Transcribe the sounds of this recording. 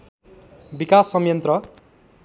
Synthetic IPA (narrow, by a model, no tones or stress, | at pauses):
bikasːʌmjʌnt̪rʌ